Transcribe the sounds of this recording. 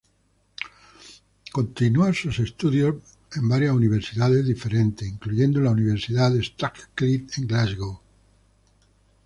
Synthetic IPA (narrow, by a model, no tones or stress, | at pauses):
ko̞nt̪inuansuse̞st̪uðjo | e̞mbaɾjasuniβ̞e̞ɾsiðaðe̞zðife̞ɾẽ̞nt̪eiŋkluʝe̞nd̪olauniβ̞e̞ɾsiðaðest̪akklit̪eŋɡlazɣo